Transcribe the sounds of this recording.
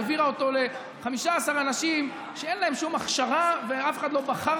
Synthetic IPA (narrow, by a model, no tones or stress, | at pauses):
viʁaot̪o̞le̞ | χamiʃaːsaʁanaʃim | ʃee̞nlae̞mʃumaχʃaʁaveafe̞̥χad̪lo̞baχa